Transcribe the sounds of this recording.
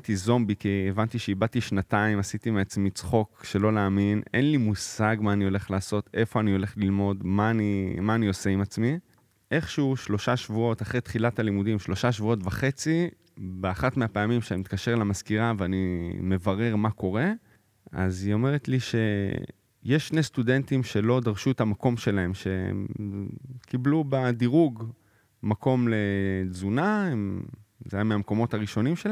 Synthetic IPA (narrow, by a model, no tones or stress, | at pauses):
t̪izo̞mbikievant̪iʃeibat̪iʃnataimasit̪imeat͡smit͡sχo̞kʃe̞lo̞laːmine̞̰nlimusaɡmaːnio̞le̞χlaːso̞t̪e̞fo̞anio̞le̞χlilmo̞dmanimaːnio̞seimat͡smi | ʔe̞χʃuuʃlo̞ʃaʃvuo̞t̪aχʁet̪χilatalimudimʃlo̞ʃaʃvuo̞tvaχe̞t͡si | beaχatmeapeamimʃemit̪kaʃe̞ʁlamaskiʁaveanime̞vaʁe̞ʁmako̞ʁe̞ | a̰zio̞me̞ʁet̪liʃe̞ | jeʃːnest̪ude̞ntimʃe̞lo̞d̪aʁʃuetamako̞mʃe̞lae̞mʃe̞ḛm | kiblubad̪iʁuɡ | makʰo̞mle̞zunaemzajameamko̞mo̞t̪haʁiʃo̞nimʃel